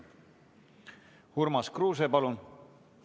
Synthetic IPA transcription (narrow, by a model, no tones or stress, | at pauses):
hurmɑskruːs̬epɑlun